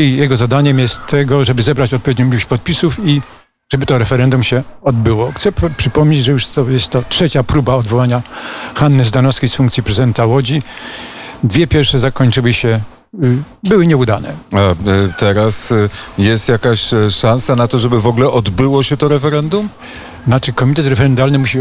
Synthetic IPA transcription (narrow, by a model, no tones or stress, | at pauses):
ijɛɡɔzad̪aɲɛmjɛst̪ʰːɛɡɔʐɛbɘzɛbɾat͡ɕɔt̪̚pɔvʲed̪ɲɔ̃mʲiwut͡ɕpɔt̪̚pʲisufi | ʐ̥ɛbɘt̪ɔɾɛfɛɾɛnd̪umɕɛɔd̪̚bɘwɔxt̪sɛpʂɘpɔmɲed͡ʑʐɛjuʂɔjɛst̪ːɔtʂɛt͡ɕapɾubaɔd̪vɔwaɲaxanːɘzd̪anɔskʲesfuŋkt̪sʲjipɾɛzɨd̪ɛnt̪awɔd͡ʑi | d̪vʲjɛpʲjɛɾfʂɛzakɔɲt͡ʂɘwɘɕɛ | bɘwɘɲɛud̪a̰nɛ̰at̪ɛɾasjɛst̪jakaɕʂãñsanat̪ɔʐɛbɘvɔɡlɛʔɔd̪bɘwɔɕɛt̪ɔɾɛfɛɾɛnd̪um | nat͡ʂɘkɔmʲit̪ɛt̪ɾɛfɛɾɛnd̪alnɘmuɕi